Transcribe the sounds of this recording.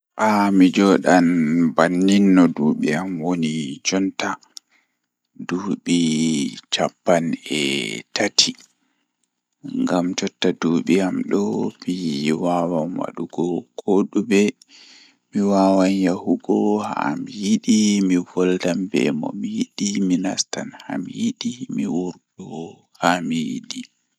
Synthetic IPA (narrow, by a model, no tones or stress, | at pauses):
ʔamid͡ʒɔɗanbanːinːɔduːɓiamwonid͡ʒɔnta | duːɓit͡ʃapːanɛ̰tatʰi | ŋɡamt͡ʃɔtːaduːɓiamɗɔmiwawamwa̰ɗuɡɔkoɗubɛ | miwaːwanjahuɡɔha̰mijiɗimivɔldambɛ̰mɔ̰miiɗimina̰stanhamiiɗimiwuɾɗɔ | hamijiɗi